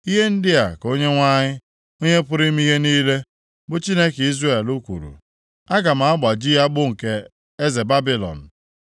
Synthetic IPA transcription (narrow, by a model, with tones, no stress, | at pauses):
i˦ɦe˦n̩˦dɪ˦a˨ko˦ɲe˦ŋʷa˦ɲɪ˦ | o˦ɲe˦pʊ˦ɾi˦m˦i˦ɦe˦niː˦le˦ | bʊ˨t͡ʃi˦ne˦ki˦zre˨lu˦kʷṵ˨ɾṵ˨ | a˦ɡa˨m̩˨a˨a˦ɡ͡ba˨d͡ʒi˦a˦ɡ͡bʊ˦ŋ̩˨ke˨ | e˦ze˨ba˦bi˦lɔ̰˨n̩˨